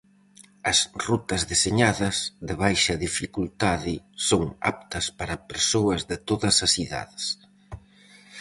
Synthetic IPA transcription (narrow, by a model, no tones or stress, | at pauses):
ɐsrut̪ɐzðeseɲaðɐzðeβajʃɐðifikult̪aðɪ | soŋa̰p̚t̪ɐspaɾɐpeɾsoɐzðɪt̪oðɐsɐsiða̰ðɪs